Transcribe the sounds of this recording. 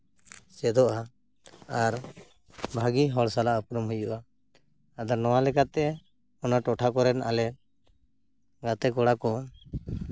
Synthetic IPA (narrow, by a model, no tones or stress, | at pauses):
sɛd̪ɔʔa | aɾ | bʱaɡiɦɔɽsalaɔp̚ɾɔmɦujuʔa | ad̪anɔwalɛkat̪ɛ | ɔnaʈɔʈʰakɔɾɛna̰lɛt̪̚ | ɡat̪ɛkɔɽakɔ